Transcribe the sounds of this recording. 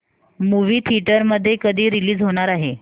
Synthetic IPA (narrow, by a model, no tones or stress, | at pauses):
muʋiːt̪ʰiʈəɾməd̪ʱːjekəd̪ʱiːɾiliːd͡zɦoɽ̃aɾaɦe